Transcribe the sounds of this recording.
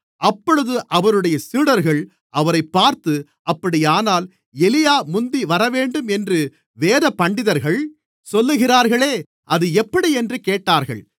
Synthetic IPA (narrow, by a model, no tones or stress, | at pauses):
ɐpːɔɻɯðɯʔɐʋɐɾɯɽɐjɐsiːɽɐɾɣɐɭ | ʔɐʋɐɾɐɪpːaːɾt̪ɯ | ʔɐpːɐɽɪjaːnaːl | ɛlɪjaːmʊnd̪iʋɐɾɐʋeːɳɖɯmɛndrɯ | ʋeːðɐpɐɳɖɪðɐɾɣɐɭ | sɔlːɯɣɪraːɾɣɐɭeː | ʔɐðɯɛpːɐɽiɛndrɯkeːʈːaːɾɣɐ̰ɭ